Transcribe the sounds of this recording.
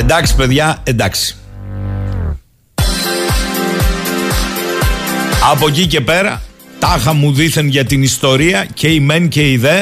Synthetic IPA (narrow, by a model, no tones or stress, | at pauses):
end̪ɐksi̥pe̞ðʝɐe̞nd̪ɐksi̥ | ɐpo̞cice̞pe̞ɾɐ̰ | t̪ɐxɐmuðiθenʝɐt̪inist̪o̞ɾiɐce̞ime̞nce̞iðe̞